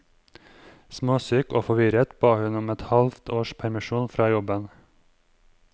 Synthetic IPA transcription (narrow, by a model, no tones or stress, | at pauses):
smoːsyːkoːfɔʋɪɾət̪b̥ɑːhʉnʊmɛt̪hɑlft̪ʰoːʃpʰæɾmɪʃuːnfɾɑːjɔbən